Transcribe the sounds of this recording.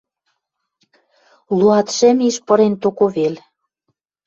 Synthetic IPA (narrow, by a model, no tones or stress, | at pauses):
luɑt̪ʃĕmiʃpɤ̆ɾent̪okoβel